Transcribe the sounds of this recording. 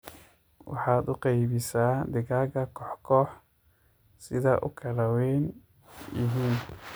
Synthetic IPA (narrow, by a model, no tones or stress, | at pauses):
wɑ̰ħɑːd̪ʊqɑjβɪsaːd̪ɪɣaːɣɐkʰɔħkʰɔːħ | sɪðɐʔʊkʰɐlɐwɛjn | jɪ̰ɦiːn